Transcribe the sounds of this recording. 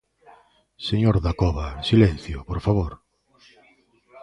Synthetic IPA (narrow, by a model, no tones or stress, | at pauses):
seɲoɾðakɔβaesilɛn̟θjopoɾfaβoɾ